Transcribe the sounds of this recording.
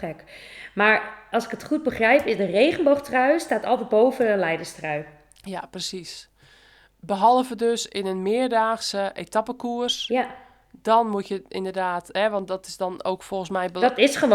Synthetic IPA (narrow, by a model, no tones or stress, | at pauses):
ɛkmaɹɑlˠsɪ̥kətχut̚bəχrɛjpɪdərejχənboxtrœɥstaːtɔ̰lˠtɛt̚bowvəənlɛjdəstraɥ | japrəsis | bəɦɔlˠvədøsɪnənmɪərdaːxsəʔetapəkuərs | dɔnmutjəɪndərdaːtɦɛʋɑnt̚dɔtɪsdɔnowkfɔlˠxən̩smɛjbətɪsχəʋo